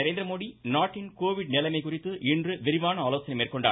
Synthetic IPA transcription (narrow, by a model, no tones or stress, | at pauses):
ɐɾeːnd̪ɾɐmoːðinaːʈːɪnkoːʋɪɽnɪlɐmɐɪkʊrɪt̪ːɯʔɪndrɯʋɪɾɪʋaːnɐaːloːsɐnɐmeːrkɔɳɖa̰ː